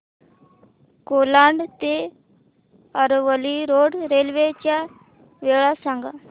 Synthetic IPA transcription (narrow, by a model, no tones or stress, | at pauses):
koːlaɳɖt̪eː | əɾoʋəliːɾoːɖɾeːlʋeːt͡ʃaː | ʋeːɭaːsaŋɡa